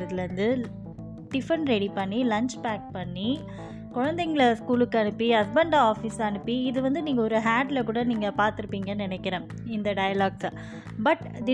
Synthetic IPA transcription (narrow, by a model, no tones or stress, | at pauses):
ɾɐðɪlɾɐnd̪ɯ | ʈɪfɾɐɳɾɛɽipɐɳːilɐɲt͡ʃpaːk̚pɐɳːi | kʊɻɐnd̪eŋɡɐɭɐskuːlɯkːɐɳɯpːiɐs̬bɐɳɖaaːfisɐnɯpːiɪðɯʋɐnd̪ɯniːŋɡɐɔɾɯɦaːʈlɐkuːɽɐniːŋɡɐpaːɾt̪ɯɾɯpːiːŋɡɐnɪnɛkːɪɾẽː | ɪnd̪ɐɖɐjɐlaːɡsɐ | bɐʈ | d̪ɪ